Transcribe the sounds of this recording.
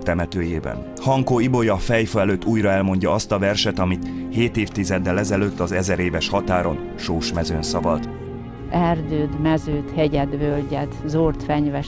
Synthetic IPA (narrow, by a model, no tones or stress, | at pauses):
t̪ɛmɛt̪øːjeːbɛ̰n | hɒŋkoːibo̞jɒfɛjføɛløːt̪ʰːuːjrɒɛlmo̞ɲɟɒɒst̪ɒvɛrʃɛt̪ɒmit̪heːt̪eːft̪izɛd̪ːɛlɛzɛløːt̪ːɒzɛzɛɾeːvɛʃhɒt̪aːɾo̞n | ʃoːʃmɛzøːnsɒvɒlt̪ | ɛrd̪øːd̪mɛzøːt̪hɛɟɛd̪vølɟɛd̪zoːrt̪fɛɲvɛ